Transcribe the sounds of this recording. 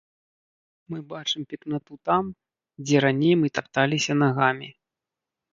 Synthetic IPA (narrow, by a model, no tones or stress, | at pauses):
mɨbat͡ʂɨmpʲiknat̪ut̪am | d͡zʲɛɾanʲejmɨt̪apt̪alʲisʲɐnaɣamʲi